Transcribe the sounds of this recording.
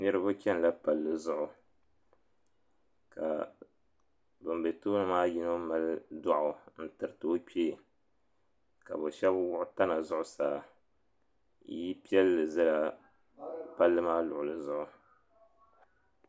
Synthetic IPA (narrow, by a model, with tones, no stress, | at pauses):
nɨ˦ɾɨ˦bʊ˦kʲɛ˦n˨la˦pa˨lːɨ˨zʊ˦˨ʔʊ˨ | ka̰˨ | bʊ˨mbe˨tuː˦nɨ˦maː˦ji˦no˦ma˦lɨ˦da˦ʔʊ˨n̩˦tɨ˨ɾɨ˨tɨ˨o˦k͡peː˦˨ | ka̰˨bo˨ʃɛ˦bwʊ˦ʔʊ˦ta˦na˨zʊ˦ʔʊ˨saː˨˦ | ji˦pi˦ɛ˦lːɨ˨zɨ˦la˦ | pa˦lːɨ˦maː˦lʊ˨ʔʊ˨lɨ˨zʊ˦ʔʊ˨